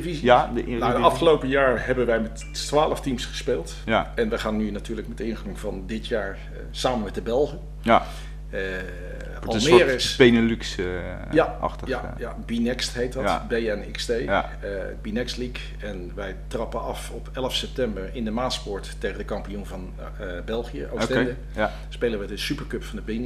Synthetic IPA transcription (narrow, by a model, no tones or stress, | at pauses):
dəvizadnadəɑfχəlowpəjaːɹɦɛbənʋɛjmɛt | tʋaːləftimsχə̥speːlˠt | jɛnʋəχaːnːynatyːɹləkmɛtɪnχruŋv̥ɑndɪtjaːɹ | saːmənmɛt̚dəbɛlˠχə | ɑlˠmɪːɾɪspenəlyks | jaɑ̰χtəja | jabinɛkstɦejt̚dbejɛnɪkstej | binɛkstlik | ɛnʋɛjtrɑpənɑfɔpɛləfsɛp̚tɛmbəɹɪndəmaːnspɔɹtː | eχəndəkɑmpijunvɑn | bɛlˠχijə̰ʔostɛdə | spejləʋədəsypəɹkɵpfɑndəben